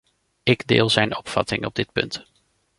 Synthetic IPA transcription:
ɪɡdɪ̰ːlˠzɛjnɔpfɑ̰tɪŋɔb̚dɪt̚pɵ̰nt

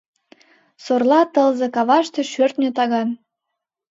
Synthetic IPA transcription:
sorlɑt̪əlzekɑβɑʃt̪eʃørt̪nʲet̪ɑɣɑn

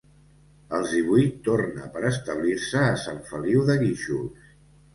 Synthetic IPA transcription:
əlˠzðiβ̞ujt̪ːornə̰pəɾəst̪əβ̞liɾsəːsaɱfəliwðəɣiʃuls

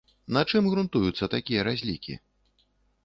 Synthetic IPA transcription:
nɐt͡ʂɨmɣɾunt̪ujut̪sːɐt̪akʲijɐɾazʲlʲikʲḭ

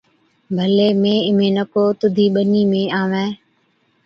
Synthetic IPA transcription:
bʱəleːmẽːɪmẽːnəkoːt̪ʊd̪ʱiːɓəniːmẽːaːʋɛ̃ː

